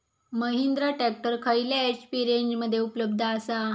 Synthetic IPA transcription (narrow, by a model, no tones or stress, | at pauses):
məɦind̪ɾaʈɛk̚ʈəɾkʰailjaespiɾeɲd͡ʑməd̪ʱːjeupələb̚d̪ʱaːsa